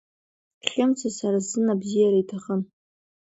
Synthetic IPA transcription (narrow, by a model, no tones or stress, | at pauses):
χʲɪmt͡sʰasaɾazɨnabzijaɾaitʰaχən